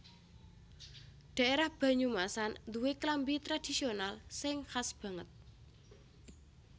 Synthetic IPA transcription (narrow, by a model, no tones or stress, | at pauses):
ɖ̪̥ä̤ʔeɾahb̥ä̤ɲumasand̪uweklambit̪ɾad̪̥i̤sionalsɪŋhasb̥ä̤ŋət̪̚